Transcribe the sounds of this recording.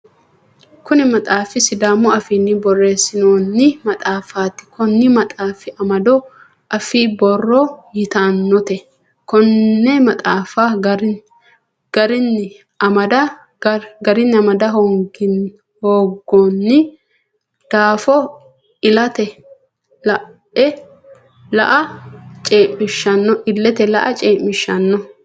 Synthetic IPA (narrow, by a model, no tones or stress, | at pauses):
kʊnɪmɐt̪ʼaːfɪsɪd̪aːmːɔɐfiːnːɪbɔrːeːsɪnoːnːɪmɐt̪ʼaːfaːt̪ːɪ̥kʰɔnːɪmɐt̪ʼaːfɪʔɐmɐd̪ɔ | ʔɐfibɔrːɔjɪt̪aːnːɔt̪ɛ | kɔnːɛmɐt̪ʼaːfaːɡ | ɡ̥ɐɾɪnːɪ | ɐmɐd̪ɐ | ɡɐɾɪnːɪɐmɐd̪ɐɦoːɡɪn | hoːɡːoːnːɪ | d̪̥aːfɔ | ɪlɐt̪ɛ | lɐʔɛ | lɐ̰ʔɐt͡ʃʼeːmːɪʃːɐnːɔʔɪlːɛt̪ɛlɐ̰ʔɐt͡ʃʼeːmmɪʃːɐnːɔ